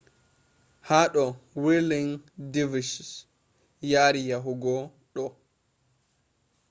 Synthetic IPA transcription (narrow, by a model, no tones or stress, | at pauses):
haɗɔwiliŋdivisis | jaɾijaɦuɡɔ | ɗɔ